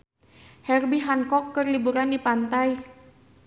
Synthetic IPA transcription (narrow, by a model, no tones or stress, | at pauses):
hɛrbiɦaŋkɔkːərlibuɾandipant̪aj